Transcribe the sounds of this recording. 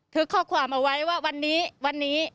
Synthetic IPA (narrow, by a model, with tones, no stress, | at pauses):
t̪ʰɯ˦˥kʰːɔː˥˩kʰwaː˧mʔa˧˩wa˦˥jwaː˥˩wa˧nːiː˦˥wa˧nːiː˦˥